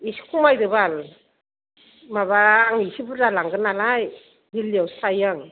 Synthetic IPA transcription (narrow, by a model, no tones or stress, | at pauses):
isi̥kʰumajdɯbal | maβaːŋisibuzalaŋɡɯnalaj | diliawsajaŋ